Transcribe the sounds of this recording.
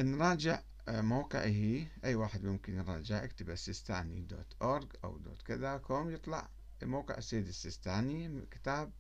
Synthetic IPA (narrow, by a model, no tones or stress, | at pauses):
ʔnɾˤɑːd͡ʒɪʕ | moːqɪ̰ʕɦiːʔajːwaːħɪd̪mʊmkɪnjɾˤɑːd͡ʒɪʕʔakt̪ɪbʔasːɪst̪aːnḭd̪o̰ːt̪ʔoːɾˤɡʔa̰wd̪o̰ːt̪kɪðakʰoːmjɨt̪ˤlɑ̰ʕ | moːqɪ̰ʕɪsːejːd̪ɪsːɪst̪aːnikɪ̥t̪aːb̚